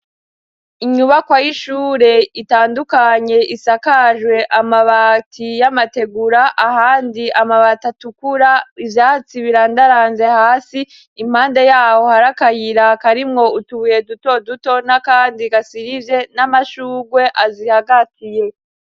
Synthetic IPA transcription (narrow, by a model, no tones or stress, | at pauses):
iɲuβakwajiʃuːɾe̞itaːndukaɲe̞ʔisakaʒwe̞ʔamaβatʰijamate̞ɡuɾaʔahaːndiʔamaβatatukuɾaivjaːt͡siβiɾandaɾaːnze̞haːsiː | m̥haːnde̞jaːho̞haɾakajiɾakaɾimŋo̞utuuje̞duto̞duto̞nakaːndiɡasiɾivje̞namaʃuːɡwe̞ʔazihaɡatʰije̞